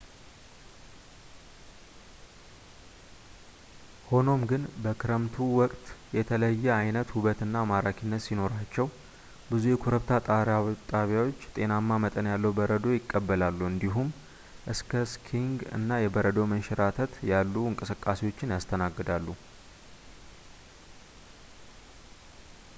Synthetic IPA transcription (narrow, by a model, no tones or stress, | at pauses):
ho̞no̞mɡɨnbəkʰɨɾəmt̪ʰuwɔkʼt̪jɛt̪ʰələjːɛajnət̪huβət̪ɨnːamaɾakʰinːət̪sino̞ɾat͡ʃːɛw | bɨzujɛkʰoɾəβt̪ʰat̪ʼat̪ʼaβjawo̞t͡ʃːt̪ʼe̞namːamət̪ʼənjalːəwbəɾəd̪o̞jɪkʼːəbːəlalːuɨnd̪iɦum | ʔɨskʰəskʰiŋɡɨ̰nːajɛbəɾəd̪o̞mənʃɛɾat̪ʰət̪jalːuɨŋkʼɨsɨkʼːasewo̞t͡ʃːɪnjast̪ʰənaɡːɨd̪alːu